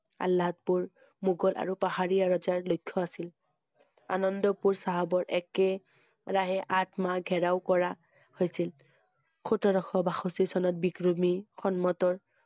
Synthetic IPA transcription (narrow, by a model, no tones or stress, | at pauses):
a̰lːaɔt̚puɹ | muɡɔlʔa̰ɹupahaɹijaɹɔzaɹlojkʰːɔasil | a̰nɔndɔpuɹsaɦabɔɹʔɛkɛ | ɹaɦɛʔatmaɡʱɛɹaʊkɔɹa | hojsil | kʰutɔɾɔxɔbaxosisɔnɔt̚bikɹɔmixɔnmɔtɔɹ